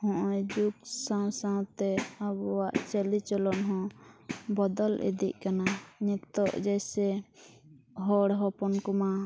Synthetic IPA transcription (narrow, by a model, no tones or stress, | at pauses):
hɔ̃ʔɔjd͡ʒuksãw̃sãwt̪ɛabɔwaʔt͡ʃɛlit͡ʃɔlɔnɦɔ̃bɔd̪ɔlʔḭd̪iʔ̚ˀkanaɲɛkt̪ɔʔd͡ʒɛjsɛ | ɦɔɽɦɔpɔnkɔma